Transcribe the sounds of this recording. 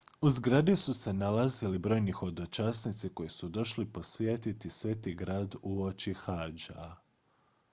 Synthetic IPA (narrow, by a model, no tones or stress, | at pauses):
uzɡɾad̪isuse̞nalazilibɾo̞ːjnixo̞d̪o̞t͡ʃasnit̪siko̞jesud̪o̞ʃlipo̞sʋjeːt̪it̪isʋeːt̪iɡɾaːd̪uo̞t͡ʃixaːd͡ʒa̰